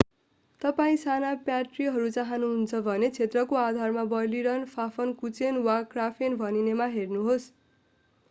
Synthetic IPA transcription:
t̪ʌpaĩsanapjaʈriɦʌɾut͡saɦanuɦunt͡sʰʌbʱʌnet͡sʰet̪rʌkoad̪ʱarmabʌjliɾʌnpʰapʰʌnkut͡senwakrapʰenbʱʌninemaɦernuɦos

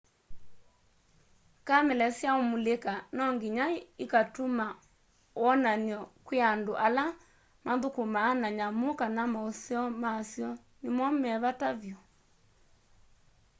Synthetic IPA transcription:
kamɛlɛsjaomulekanɔŋɡiɲaikatoma | ɔnaniɔkweandoʔala | maðokomaːnaɲamokanamaoseɔmasjɔ | nemɔmɛβataβjɔ

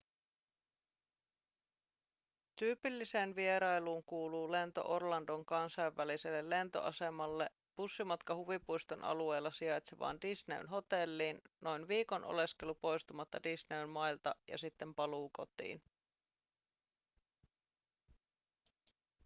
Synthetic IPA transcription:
t̪yːpilːise̞ːnʋie̞ɾɑjluːŋkuːluːle̞nt̪o̞̰ʔo̞rlɑndo̞ŋkɑnsɑjʋːæliselːelːe̞nt̪o̞̰ʔɑse̞mɑlːe̞ | b̥usːimɑt̪kɑhuʋipujst̪onʔɑ̰lue̞jlːɑsiɑjt̪seʋɑ̰ːndisne̞̰y̰nɦo̞t̪e̞lːiːnno̞jnʋiːko̞nʔo̰le̞ske̞lupo̞jst̪umɑt̪ːɑdisneynmɑjlt̪ɑjɑ̰sit̪ːe̞mpɑluːko̞t̪ḭːn

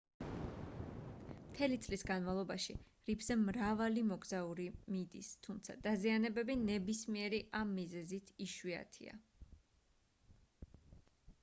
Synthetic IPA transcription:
mt̪ʰɛlit̪sʼlisɡanmavlˠɔbaʃḭ | ɾipʰz̥ɛmɾavalimɔɡzauɾimid̪ḭst̪ʰumt̪sʰa̰d̪azianɛbɛbinɛbismiɛɾiʔamːizɛzit̪ʰiʃwia̰t̪ʰḭa̰

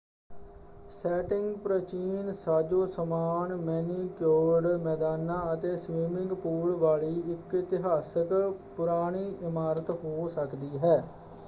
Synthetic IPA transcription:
sɛːʈɪŋɡpɾət͡ʃiːnsaːd͡ʒoːsəmaːnmɛːniːkjoːɖmɛːd̪aːnãːət̪eːsʋiːmɪ̃ŋɡpuːlʋaːɭiːɪkɪt̪ɪɦaːsəkpʊɾaːɽ̃iːʔɪmaːɾət̪ɦoːsəkd̪iːɦɛː

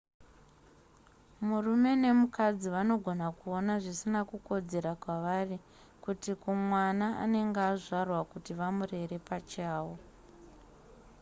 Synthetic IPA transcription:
murume̞ne̞mukad͡ziʋano̞ɡʱo̞nakuo̞naʐisinakuko̞d͡ze̞ɾakwaʋari | kutikumwanaa̰ne̞ŋɡeaʐarwakutiʋamure̞ɾe̞pat͡ʃaːwo

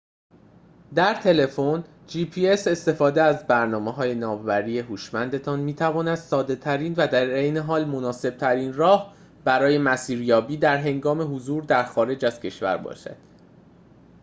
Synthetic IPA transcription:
d̪æɾt̪ʰe̞le̞fo̞n | d͡ʒiːpʰiːe̞se̞st̪e̞fɒːd̪eæzbæɾnɒːmeɦɒːje̞nɒːmvæɾiːe̞ɦuːʃmænd̪e̞t̪ʰɒnmiːt̪ʰævɒːnæd̪̥sɒːd̪e̞t̪ʰæɾiːnvæd̪æɾe̞jne̞ɦɒːlmo̞nɒːse̞b̥̚t̪ʰæɾiːnrɒːh | b̥æɾɒːje̞mæsiːɾjɒːbiːd̪æɾɦe̞ŋɡɒːme̞ɦuzuːɾd̪æɾxɒːɾe̞d͡ʒæz̥cʰe̞ʃvæ̰ɾbɒ̰ːʃæ̰d̪̥

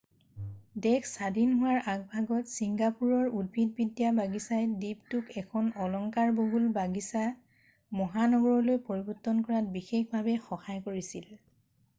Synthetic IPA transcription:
dɛkʰsadinɦʊwaɹʔaɡ̚bʱaɡɔtsiŋɡapuɹɔɹud̚bʱid̚bidijabaɡisajdiptʊkɛkʰɔnɔlɔŋkaɹboɦulbaɡisa | mɔɦanɔɡɔɹɔlojpoɹibɔtːɔnkɔɹat̚bixexbʱabɛxɔxajkoɹisil

